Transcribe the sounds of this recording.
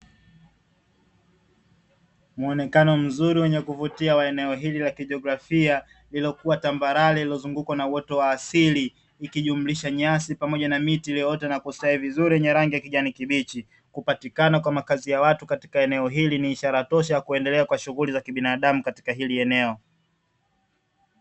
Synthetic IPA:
muɔnɛkanɔm̩zuɾiwɛɲɛkuvutiawaɛnɛɔɦililakiʄɔɡɾafia | lilɔkuwatambaɾalililɔzuŋɡukwanauwɔtɔwaːsiliː | kiʄum̩liʃaɲasipamɔʄanamitiliɔtɛnakustaivizuɾiwɛɲɛɾaŋɡijakiʄanikiɓit͡ʃi | kupatikanakwamakazijawatukati̥kaɛnɛɔɦiliniːʃaɾatɔʃajakuɛndɛlɛakwaʃuɣulizakiɓinaɗamukati̥kaɦiliɛnɛɔ

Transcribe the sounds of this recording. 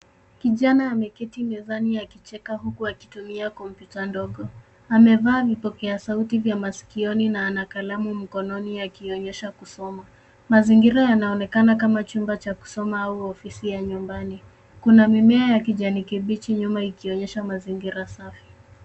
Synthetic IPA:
kiʄanaːmɛkɛtimɛzaniakit͡ʃɛkahukuaki̥tumiakɔmpjutandɔɠɔ | amɛvaːvipɔkɛasautivjamasi̥kiɔninaːnakalamum̩kɔnɔniakiɔɲɛʃakusɔma | maziŋɡiɾajanaɔnɛkanakamat͡ʃumbat͡ʃaku̥sɔmaauɔfisijaɲumbani | kunamimɛajakiʄanikiɓit͡ʃiɲumaikiɔɲɛʃamaziŋɡiɾasafi̥

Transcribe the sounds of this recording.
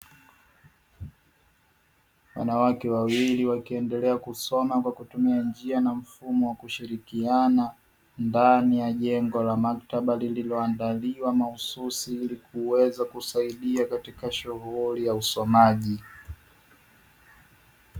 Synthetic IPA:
wa̰nawakɛwawiliwakiɛndɛlɛakusɔmakwakutumiand͡ʒianam̩fumɔwakuʃiɾikiana | ndanijaʄɛŋɡɔlamaktaɓalililɔandaliwamahususiilikuwɛzakusaiɗiakatikaʃuɦulijausɔmaʄi

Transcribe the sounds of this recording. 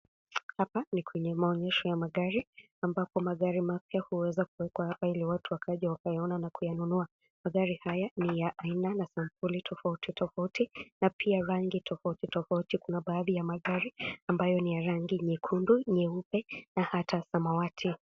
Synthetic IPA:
hapanikwɛɲɛmaɔɲɛʃɔjamaɠaɾi | ambapɔmaɠaɾimapjahuwɛzakuwɛkwahapailiwatuwakʰaʄɛwakajaɔnanakujanunua | maɠaɾihajanijaʔainanasampulitʰɔfautitʰɔfautinapʰiaɾaŋɡitʰɔfautitɔfautikunaɓaːðijamaɠaɾiambajɔnijaɾaŋɡiɲɛkʰunduɲɛupɛnahatʰasamawatʰi

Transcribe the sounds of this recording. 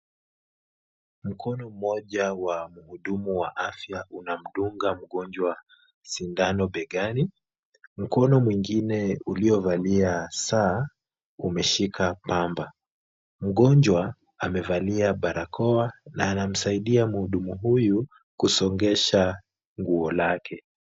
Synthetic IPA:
m̩kʰɔnɔm̩mɔʄawamuhuɗumuwa̰ʔafjaunam̩ɗuŋɡam̩ɠɔnd͡ʒwa | sindanɔɓɛɠani | m̩kɔnɔmwiŋɡinɛuliɔvaliasaː | umɛʃikʰapamba | m̩ɠɔɲd͡ʒwa | amɛvaliaɓaɾakʰɔanaːnam̩saiɗiamuhuɗumuɦuju | kusɔŋɡɛʃa | ŋɡuɔlakʰɛ

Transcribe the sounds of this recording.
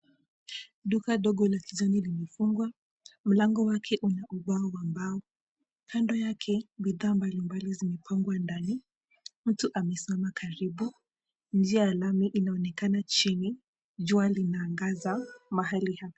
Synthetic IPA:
ɗukaɗɔɠɔlakizɔnilimɛfuŋɡwa | m̩laŋɡɔwakʰɛʔunaʔuɓaɔambaɔ | kʰandɔjakʰɛbiðaːmbalimbalizimɛpʰaŋɡwandani | m̩tuʔamɛsimamakʰaɾiɓu | ɲ̩d͡ʒiajalamiʔinaɔnɛkanat͡ʃini | ʄualinaːŋɡazamaɦalihapḁ

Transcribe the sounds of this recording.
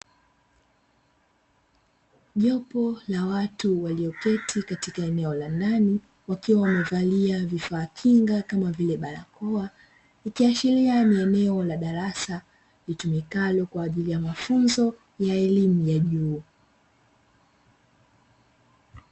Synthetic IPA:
ʄɔpɔlawatuwaliɔkɛtʰikatikaɛnɛɔlandani | wakiwawamɛvaliavifaːkʰiŋɡakamavilɛɓaɾa̰kɔa | ikiaʃilianiɛnɛɔlaɗaɾasa | litumikalɔkwaːʄilijamafunzɔ | jaɛlimujaʄuː

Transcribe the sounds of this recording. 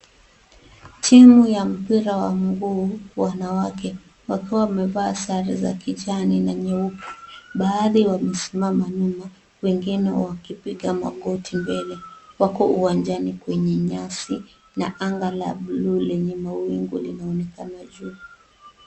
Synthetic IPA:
tʰimujam̩piɾawam̩ɡuːwanawakɛ | wakiwawamɛvaːsaɾiza̰kit͡ʃaninaɲɛupu̥ɓaːðiwamɛsi̥mamaɲuma | wɛŋɡinɛwakipiɠama̰ɠɔtʰimbɛlɛwakɔuwand͡ʒanikwɛɲɛɲasi | naʔaŋɡala̰ɓlulɛɲɛmawiŋɡulinaɔnɛkanaʄuː

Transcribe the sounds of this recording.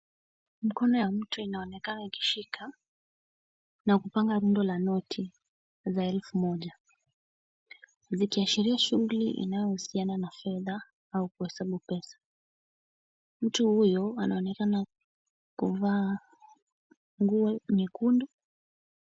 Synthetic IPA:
m̩kɔnɔjam̩tuinaɔnɛkanaiki̥ʃikʰa | nakupaŋɡaɾundɔlanɔtʰi | zaɛlfumɔʄa | zikiaʃiɾiaʃuɣuliʔḭnajɔhusiananafɛða | aukuhɛsaɓupɛsḁ | m̩tuhujɔanaɔnɛkana | kuvaː | ŋɡuɛɲɛkundɔ

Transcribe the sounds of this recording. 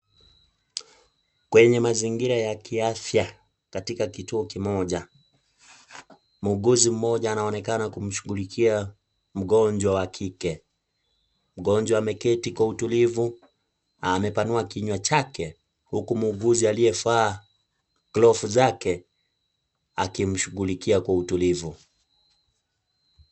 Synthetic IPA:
kwɛɲɛmaziŋɡiɾajakiafja | katikakituɔkimɔʄa | muːɡuzim̩mɔʄaːnaɔnɛkanakum̩ʃu̥ɣulikʰia | m̩ɠɔɲd͡ʒwawakʰikɛ | m̩ɠɔnd͡ʒwaamɛkɛtikwautulivu | amɛpanuakiɲwat͡ʃakɛ | hukumuːɡuzialiɛfaː | klɔfuzakɛ | akim̩ʃuɣulikiakwautulivu

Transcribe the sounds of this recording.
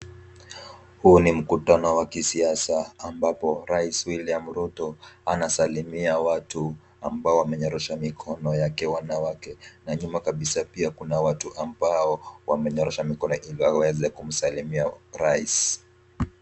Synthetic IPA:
hunim̩kutanɔwakisiasaːmbapɔɾaiswiliam̩ɾutɔanasalimiawatu | ambaɔwamɛɲɔɾɛʃamikʰɔnɔjakɛwanawakɛnaɲumakaɓisapiakunawatuʔambaɔwamɛɲɔɾɛʃamikɔnɔʔiliwawɛzɛkum̩salimiaɾais

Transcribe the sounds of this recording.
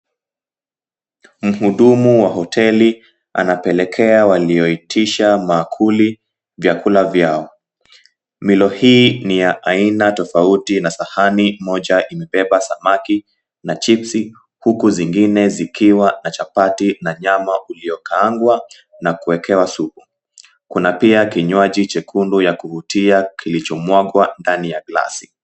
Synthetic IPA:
m̩huɗumuwaɦɔtʰɛli | a̰napɛlɛkʰɛawaliɔitʰiʃamaːkʰuli | vjakulavjaɔ | milɔhiːnijaʔainatɔfautinasahanimɔʄaʔimɛɓɛɓasamaki | nat͡ʃipsi | hukuziŋɡinɛzikʰiwanat͡ʃapatinaɲamaʔuliɔkaːŋɡwa | nakuɛkɛwasuku | kunapiakiɲwaʄit͡ʃɛkʰundujakuhutiakilit͡ʃɔmwaɠwandanijaɡla̰si

